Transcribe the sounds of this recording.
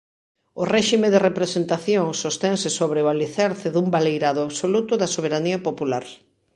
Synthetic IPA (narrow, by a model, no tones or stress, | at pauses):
ʊrɛʃimeðerepɾesent̪aθjoŋsost̪ɛŋsɪsoβɾeoaliθaɾθɪðumbalejɾaðʊaβsolut̪ʊðɐsoβeɾaniɐpopulaɾ